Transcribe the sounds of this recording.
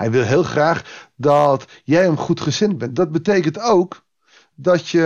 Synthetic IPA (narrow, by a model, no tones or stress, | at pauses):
ɦɛjʋɪlˠɦɪːlˠχraːχdɔt | jɛjəmχutχəzɪn̚bɛndɔd̚bətejkəntowk | dɔtjə